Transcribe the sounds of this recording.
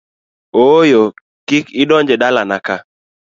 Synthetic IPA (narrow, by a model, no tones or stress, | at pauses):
ojo | kikɪdɔɲd͡ʒɛdalanaka